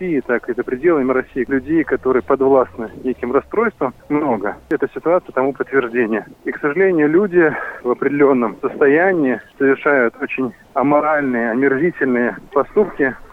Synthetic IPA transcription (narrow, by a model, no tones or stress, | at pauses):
ijɪt̪akɨzəpɾʲɪdʲelˠəmɪɾɐsʲijɪlʲʉdʲejkɐt̪o̞ɾɨjəpɐd̪vlˠasnɨnʲekʲɪmrɐst̪ɾojst̪vəmmno̞ɡəɛt̪əsʲɪt̪ʊat̪sɨjət̪ɐmupət̪ːvʲɪrʐdʲenʲɪjəiksəʐɨlʲenʲɪjʊlʲudʲɪvɐpɾʲɪdʲɪlʲo̞nːəmsəst̪ɐjænʲɪːsəvʲɪrʂajʊt̪o̞t͡ɕɪnʲ | ɐmɐɾalʲnɨjəɐmʲɪrzʲitʲɪlʲnɨjəpɐst̪upkʲɪ